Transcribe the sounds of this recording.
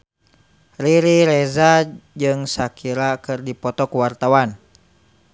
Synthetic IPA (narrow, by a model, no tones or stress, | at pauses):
riɾiɾɛzad͡ʒɨŋsakʰiɾakɨrdipɔt̪ɔkuwart̪awan